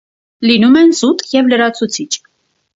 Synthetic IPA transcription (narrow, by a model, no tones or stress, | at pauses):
linumɛnzut̪jɛvləɾɑt͡sʰut͡sʰit͡ʃʰ